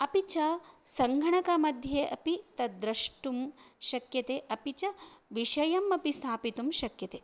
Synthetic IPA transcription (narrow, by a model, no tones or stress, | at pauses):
ɐpit͡ʃɐsɐŋɡʱɐɳɐkɐmɐd̪ʱjeʔɐpit̪ɐd̪ɾɐʂʈumʃɐkjɐt̪eːʔɐpit͡ʃɐʋiʃɐjɐmɐpist̪ʰaːpit̪umʃɐkjɐt̪eː